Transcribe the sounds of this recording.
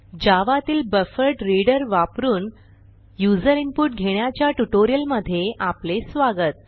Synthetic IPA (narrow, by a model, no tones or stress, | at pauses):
d͡ʑaʋat̪iːlbəfəɾʈɾiɽəɾʋapɾuːn | jud͡zəɾimpuʈɡʱeɳjat͡ɕjaʈuʈoɾijəlməd̪ʱːjeʔaplesʋaɡət̪̚